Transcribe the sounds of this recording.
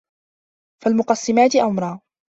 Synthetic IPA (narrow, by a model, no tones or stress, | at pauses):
falmʊqɑsˤːɪmaːt̪ɪʔamɾˤɑː